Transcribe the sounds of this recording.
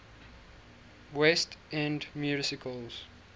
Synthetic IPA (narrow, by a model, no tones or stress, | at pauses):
wɛstɛ̃ndmjusɪkʰəlz̥